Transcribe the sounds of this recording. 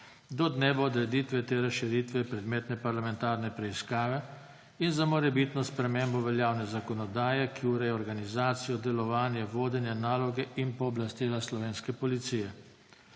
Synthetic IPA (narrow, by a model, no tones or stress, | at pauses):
d̪ɔd̪neːʋɔd̪ɾɛd̪iːt̪ʋɛt̪eːɾasʃiɾiːt̪ʋɛpɾɛd̪meːt̪nɛpaɾlamɛnt̪aːɾnɛpɾɛiskaːʋɛ | inzamɔɾɛbit̪nɔspɾɛmeːmbɔʋɛljaːwnɛzakɔnɔd̪aːjɛkiuɾɛjɔɾɡanizaːt̪sijɔd̪ɛlɔʋaːnjɛʋoːd̪ɛnjɛnaːlɔɡɛʔinpɔːblast̪iːlaslɔʋeːnskɛpɔlit̪siːjɛ